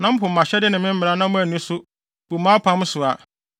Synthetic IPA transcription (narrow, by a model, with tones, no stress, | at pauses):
nã˦m̩˦pʰʊ˨m̩˨ã˨ɕɛ˦dɪ˦nɪ̃˨mɪ̃˦m̩˦mɪ̃˨ɾa˦nã˦mʊ̃˦æ˨nũ˦sʊ˦ | b̥u˨mãː˦pʰã˦m˦sʊ˨a˨